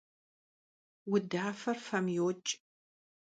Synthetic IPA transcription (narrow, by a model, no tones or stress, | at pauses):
wʊdaːfɐrfɐmjoːt͡ʃʼ